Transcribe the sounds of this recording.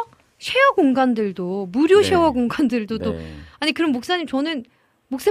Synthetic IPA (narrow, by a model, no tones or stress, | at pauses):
ɕʰewʌɡoŋɡandɯɭdomuɾjoɕʰe̞wʌɡoŋɡandɯɭdot͈oaɲikɯɾʌmːok̚s͈aɲimt͡ɕʌnɯn | mok̚s͈a